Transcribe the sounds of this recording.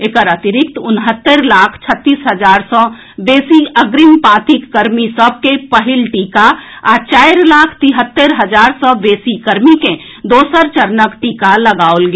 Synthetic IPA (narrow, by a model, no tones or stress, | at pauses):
eːkəɾət̪iɾɪk̚t̪ʊnɦət̪ːeɾlaːkʰt͡ʃʰət̪ːiːsɦəd͡ʒaːɾsɔ̃ | beːsiəɡɾimpãt̪ikːəɾmisəb̚ʱkepəɦilʈiːkaat͡ʃaɪɾlaːkʰt̪iɦət̪ːeɾɦəd͡ʒaːɾsɔ̃beːsikəɾmikẽ | d̪oːsəɾt͡ʃəɾnəkʈikaləɡaolɡe